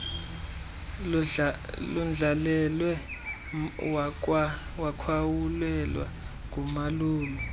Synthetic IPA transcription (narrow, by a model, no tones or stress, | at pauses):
lund͡ɮʱalɛlwɛ | w | wakʰwawulɛlwa̰ | k̬ʼumaluːlɔ